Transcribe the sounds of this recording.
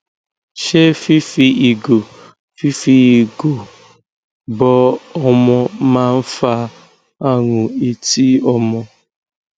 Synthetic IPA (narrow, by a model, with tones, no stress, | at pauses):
ʃe˦fi˦fi˨i˨ɡo˨ | fi˦fi˦i˨ɡo˨ | bɔ˦ɔ˦mɔ˦ma˦m̩˦fa˦ | a˦ŋʊ˨i˦ti˦ɔ˦mɔ˦